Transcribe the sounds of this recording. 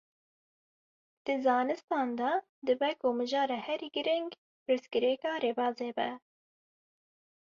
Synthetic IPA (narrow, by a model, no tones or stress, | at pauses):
d̪̥ɨzɑːnɨst̪ɑːnd̪ɑ | d̪ɨbɛkoːmɨʒɑːɾɛhɛɾiɡɨɾɪŋɡ | pɾɨskɨɾɛkɑːɾeːbɑːzeːbɛ